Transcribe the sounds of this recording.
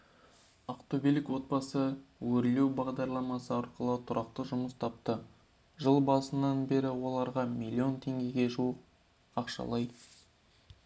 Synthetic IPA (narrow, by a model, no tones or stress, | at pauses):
ɑqt̪obilɪkwo̞t̪̚bɑsəwɵɾle̞wbɑʁd̪ɑɾlˠɑmɑsəɑɾqəlˠət̪ʰʊɾʔɑq̚t̪əʒʊməst̪ʰɑp̚t̪ə | ʒəlˠbɑsənːɑnbe̞ɾɪwo̞lˠɑɾʁɑmilʲˠːio̞nt̪ʰe̞ŋɡʲe̞ɡʲe̞ʒuəq̚ | ɑqʃɑ̰lˠɑj